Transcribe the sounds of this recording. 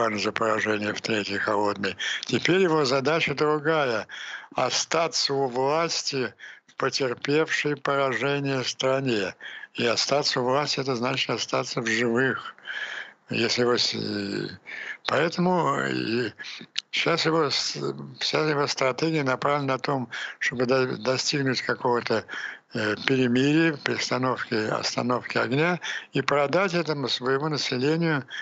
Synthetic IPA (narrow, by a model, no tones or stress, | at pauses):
anəzəpəɾɐʐɛnʲɪjəft̪ɾʲetʲjəxɐlˠo̞d̪̚nəjtʲɪpʲeɾʲjɪvo̞zɐd̪at͡ɕəd̪ɾʊɡajəɐst̪at̪səʊvlˠasʲtʲɪfpətʲɪrpʲe̞fʂəjpəɾɐʐɛnʲɪjəst̪ɾɐnʲeiɐst̪at̪səʊvlˠasʲtʲɪɛt̪əznat͡ɕɪ̥t̪ɐst̪at̪səvʐɨvɨx | jesʲlʲɪjɪvos | pɐɛt̪əmʊ | ɕasjɪvosfɕʲasjɪvo̞st̪ɾɐt̪ʲeɡʲɪjənɐpɾavlʲɪnɐt̪o̞mʂt̪obɨd̪d̪ɐsʲtʲiɡnʊtʲkɐkovət̪ə | pʲɪɾʲɪmʲiɾʲɪjəfpɾʲɪst̪ɐno̞fkʲɪɐ̰st̪ɐ̰no̞fkʲɪɐ̰ɡnʲaipɾɐd̪atʲɛt̪əmʊsvəjɪmonəsʲɪlʲenʲɪjʊ